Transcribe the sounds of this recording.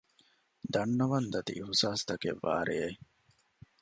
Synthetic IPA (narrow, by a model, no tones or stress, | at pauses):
d̪ɐnːɐʋɐnd̪ɐt̪ḭʔiɦusaːst̪ɐkḛʋːa̰ːɾee